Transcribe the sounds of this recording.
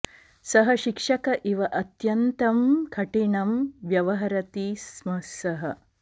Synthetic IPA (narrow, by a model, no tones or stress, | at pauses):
sɐɦɐʃikʂɐkɐʔiʋɐʔɐt̪jɐnt̪ɐmkʰɐʈiɳɐmʋjɐʋɐɦɐɾɐt̪ismɐsɐɦɐ